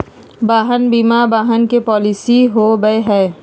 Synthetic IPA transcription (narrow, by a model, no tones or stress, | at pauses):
baːɦənbiːmabaːɦənkepɔːlɪsiɦobəeɦɛː